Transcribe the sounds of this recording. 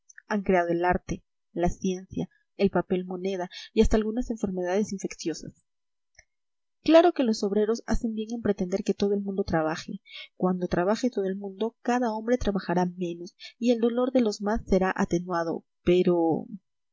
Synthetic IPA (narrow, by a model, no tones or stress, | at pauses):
aŋkɾe̞að̞o̞e̞laɾt̪e̞ | lasje̞nsja | elpape̞lmo̞ne̞ðaiast̪aːlɣunase̞ɱfe̞ɾme̞ð̞að̞e̞siɱfeksjo̞sa̰s | klaɾo̞ke̞lo̞so̞βɾe̞ɾo̞sa̰se̞mbje̞ŋe̞mpɾe̞t̪e̞nd̪e̞ɾke̞t̪o̞ð̞oelmũnd̪o̞t̪ɾaβaxekwand̪o̞t̪ɾaβaxet̪o̞ðoe̞lmũnd̪o̞kaðao̞mbɾe̞t̪ɾaβaxaɾamẽ̞no̞sie̞ld̪o̞lo̞ɾðe̞lo̞zmasːe̞ɾaʔat̪e̞nwað̞o̞̰ | pe̞ɾo̞